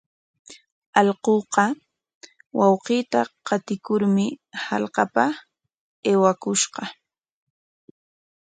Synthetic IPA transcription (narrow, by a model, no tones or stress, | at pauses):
ɑlqoːqɑ | wɑwqiːt̪aqɑt̪ɪkʊɾmɪhɑlqɑpa | eːwakʊʃqɑ